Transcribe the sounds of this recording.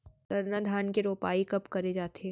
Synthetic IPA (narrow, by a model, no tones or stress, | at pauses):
sɐɾnad̪ʱaːnkeɾoːpaːikɐpkɐɾed͡ʒaːt̪e